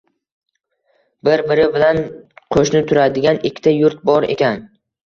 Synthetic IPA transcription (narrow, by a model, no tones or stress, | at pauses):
bɪɾbɪɾɪbɪlanqʰoʃnɪt̪ʰʊɾad̪ɪɡʲanɪkʲʰːɪ̥t̪ʰajʊɾt̪̚bɒɾḛkʲʰan